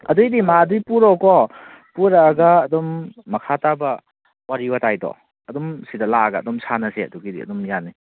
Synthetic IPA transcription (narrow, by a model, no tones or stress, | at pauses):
ɐ̰dujdimadujpuɾɔkɔ | puɾaːɡɐːdɔmːɐkʰatabɐ | waɾibɐtajdɔ̰ | ɐdɔmsidɐlaɡɐːdɔmsʰanɐseɐduɡidḭɐ̰dɔmjanːi